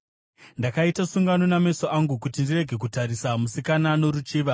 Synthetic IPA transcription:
ndakaitasuŋɡano̞name̞soʔaŋɡukutindire̞ɡʱek̬utaɾisamusikanano̞ɾut͡ʃiːʋa

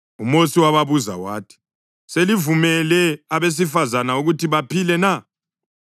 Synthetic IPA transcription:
umosiwaβaβuza̰wa̰ːtʰi̥ | selivumɛlɛaβes̬ifazanauɣutʰiβapʰilɛna

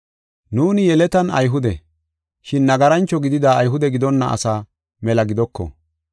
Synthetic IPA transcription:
nuːnɪjɛlɛt̪ɐnɐ̰jɦʊd̪ɛ̰ | ʃɪnːɐɡɐɾɐnt͡ʃːɔɡɪd̪ɪd̪aːjɦʊd̪ɛɡɪd̪ɔnːɐ̰ʔɐ̰saː | mɛlɐɡɪd̪ɔkːɔ̰

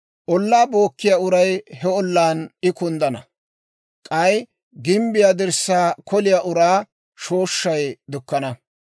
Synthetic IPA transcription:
ʔɔlːaːbo̞ːkːɪjaːʊɾɐjhɛɔlːaːnɪkʊnd̪ɐnɐ | kʼɐj | ɡɪmbɪjaːd̪ɪɾsːaːkʰɔlɪjaːʔʊɾaː | ʃo̞ːʃːɐjd̪ʊkːɐnɐ

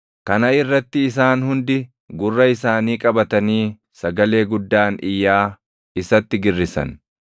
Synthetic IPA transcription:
kɐnɐɪrːɐt̪ːɪːs̬aːnhʊnd̪ɪ | ɡʊrːɐɪsaːniːkʼɐbɐt̪ɐniː | sɐɡɐle̞ːɡʊd̪ːaːnʔɪjːaː | ɪsɐt̪ːɪɡɪrːɪsɐ̰n

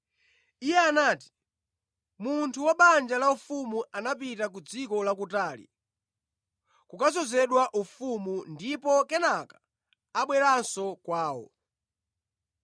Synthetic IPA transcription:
ijɛanaːti̥ | muntʰuwaɓand͡ʒalaufumuanapitak̬ud͡zikɔlak̬utaːlḭ | kukazɔzɛɗwaʔufumundipɔkɛnakaː | ɓwɛɾansɔkwaːwɔ̰

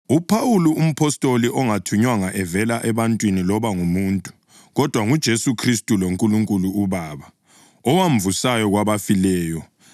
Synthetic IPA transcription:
upʰawuluum̩pʰɔstʼoliʔɔŋatʰuɲwaŋaʔɛvɛlaʔɛβantʼwinilɔβaŋumuntʼu | ɣɔd̥ʱwaŋud̥ʒ̥ʱesukʰristʼuloŋkʼuluŋkʼuluːβaːβa | ɔwaɱ̩vusajɔɣwaβafilɛːjɔ

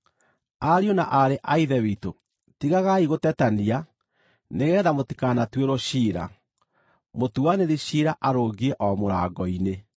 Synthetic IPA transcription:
aɾionaʔaɾeʔaiðɛwito | tiɣaɣaiɣotɛtania | neɣɛːðamoti̥kanatweɾɔɕiɾa̰ | motuwaneðiɕiɾaʔaɾoɡiɛʔɔmoɾaɡɔine

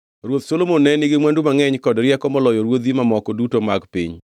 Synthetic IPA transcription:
ɾwot̪solomonːɛniɡɪmwandumaŋɛɲkɔdɾjɛkɔmɔlɔjɔɾwod̪imamɔkɔdutomaɡpḭɲ

